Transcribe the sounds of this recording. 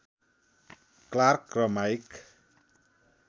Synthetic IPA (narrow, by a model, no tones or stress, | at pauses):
klarkrɔmajk